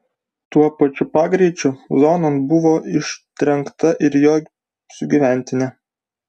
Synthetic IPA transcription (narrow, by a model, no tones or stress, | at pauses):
t̪uɔpɐt͡ʃʲʊpɑːɡɾʲɛɪt͡ʃʲʊzoːnɐnbʊʋoːʔɪʃʲt̪ʲɾʲɛŋkt̪ɐʔɪɾjoː | sʊɡʲiʋʲæˑnʲt̪ʲɪnʲɛ